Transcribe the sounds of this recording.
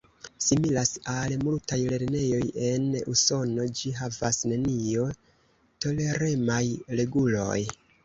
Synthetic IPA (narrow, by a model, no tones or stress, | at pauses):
similasalmultajle̞ɾne̞jo̞je̞nuso̞no̞d͡ʒiɦavasne̞nio̞ | to̞le̞ɾe̞majle̞ɡulo̞̰j